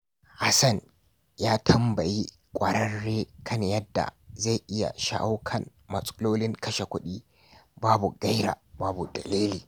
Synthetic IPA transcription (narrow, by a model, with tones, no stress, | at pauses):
ha˦sɐ˦˨n | jaː˦tʰɐ˦mbɐ˨ji˦ | kʷʼɐ˨ɾɐ˦rːeː˦kʰɐ˦ɲjɐ˦dːa̰˨za˦˨jʔɪ˦ja̰˨ʃa̰˦ʔa˦kʰɐ˨n | mɐ˨sʼʊ˦loː˦lɪ˦ŋkɐ˦ʃe˨kʷʊ˦ɗiː˦ | baː˦bu˨ɡɐ˦jɾa̰ː˨baː˦bu˨dɐ̰˨leː˦liː˨